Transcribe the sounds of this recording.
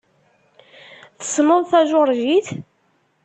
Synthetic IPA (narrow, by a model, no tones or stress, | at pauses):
θə̥sməðˤθæʒoɾˤʒiθ